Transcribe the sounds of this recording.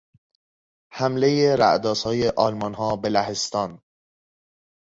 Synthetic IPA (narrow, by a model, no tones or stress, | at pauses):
hæmlejeɾæ̰ʔd̪ɒːshɒːjeʔɒːlmɒnɦɒːbe̞læɦest̪ɒːn